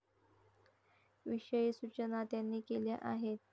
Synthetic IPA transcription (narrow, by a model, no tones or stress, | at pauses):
ʋiʂəjisut͡ɕənat̪janːiːkeljaʔaɦet̪̚